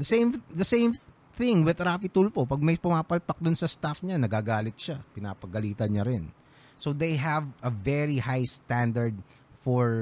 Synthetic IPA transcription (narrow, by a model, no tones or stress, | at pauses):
d̪ɐsẽjmd̪ɐsẽjm | θɪ̃ŋwɪd̪ɾaːfit̪ulfopɐɡ̚mɐjpʊmaːpɐlpɐk̚d̪ʊnsɐst̪afɲanɐɡaːɡaːlɪt̪̚ʃapɪna̰ːpɐɡɐliːt̪ɐnɲɐɾɪn | sod̪ejɦɐvɐvɛɹihajst̪and̪ɐɹd̪̚ | fɔɹ